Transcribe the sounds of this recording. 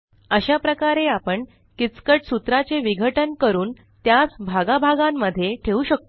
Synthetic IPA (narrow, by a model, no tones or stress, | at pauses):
əɕapɾəkaɾeapəɳ | kit͡skəʈsut̪ɾat͡seʋiɡʱəʈənkəɾuːn | t̪jasbʱaɡabʱaɡamːəd̪ʱːjeʈʰeuːɕək̚t̪o